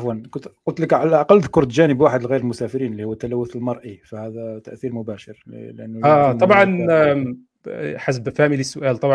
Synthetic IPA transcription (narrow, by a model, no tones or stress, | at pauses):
ʔfwankʊt̪qʊlt̪ləkʕalaʔɑqɑlːðkʊɾˤt̪ʒænəbwaħəd̪əlɣijɾəlmʊsæfɪɾiːnəlːihʊwːət̪ːælæwːʊθəlmɑɾˤʔifæhæd̪æt̪æʔθiɾmʊbæʃəɾl̰lʔænːæt̪ˤɑbʕɑn | ħas̬bfæmilisːʊʔæːlt̪ˤɑbʕ